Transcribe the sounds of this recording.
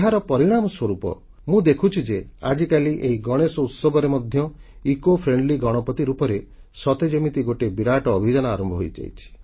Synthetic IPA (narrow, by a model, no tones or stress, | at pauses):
ɦaɾɔpɔɾiɽ̃amɔswɔɾupɔ̰ | mũd̪ekʰut͡ʃʰid͡ʒead͡ʒikaliʔeɦiɡɔɽ̃esɔut̪sɔbɔɾemɔd̪ʱjɔ | ikopʰɾeɳɖliɡɔɽ̃ɔpɔt̪iɾupɔɾe | sɔt̪ed͡ʒɔmit̪iɡoʈebiɾaʈɔːbʱid͡ʒanɔaɾɔmbʱɔɦojd͡ʒa̰jt͡ʃʰi̥